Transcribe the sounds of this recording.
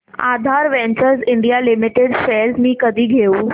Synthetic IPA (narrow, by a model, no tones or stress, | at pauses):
a̰d̪ʱaɾʋɛ̃ɲt͡ɕəɾsiɳɖijalimiʈeɖselsmiːkəd̪ʱiːɡʱeu